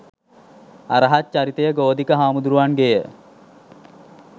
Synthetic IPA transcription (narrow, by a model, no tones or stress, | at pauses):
aɾəɦatːt͡ʃaɾit̪əjəɡoːd̪ikəɦaːmud̪uɾuʋanɡejə